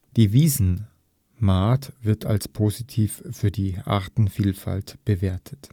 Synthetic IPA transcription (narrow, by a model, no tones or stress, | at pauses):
d̥iːviːzn̩ | maːtv̥ɪɐtʰa̰lspʰoːzitʰiːffyːɐdiːʔa̰ɐtn̩fiːlfa̰ltb̥əveːɐtʰə̥t